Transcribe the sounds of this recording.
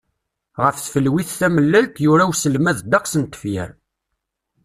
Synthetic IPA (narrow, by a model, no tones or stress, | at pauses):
ʁəfθfəlwiθθæməlːælt̪jʊɾæwsəlmæðd̪ɑqsənt̪ə̥fjə̰ɾ